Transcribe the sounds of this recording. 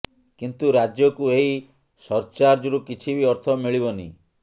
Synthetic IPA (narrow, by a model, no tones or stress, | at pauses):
kint̪uɾad͡ʒjɔkueɦi | sɔɾt͡ʃaɾd͡ʒuɾukit͡ʃʰibiɔɾt̪ʰɔmiɭibɔnḭ